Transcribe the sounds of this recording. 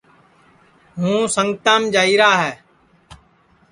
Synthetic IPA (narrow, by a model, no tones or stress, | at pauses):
ɦũːsəŋɡt̪aːmd͡ʒaːiːɾaːɦɛː